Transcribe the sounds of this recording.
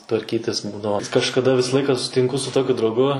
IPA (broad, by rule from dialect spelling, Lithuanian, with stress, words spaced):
tʋɐrʲˈkʲiːtʲɪs ˈbuːdɐʋoː kɐʃkɐˈdɐ ˈʋʲɪsɐ ˈlˠɐɪkɐ sʊsʲɪtʲɪŋˈkʊ sʊ ˈtoːkʲʊ drɐʊˈɡʊ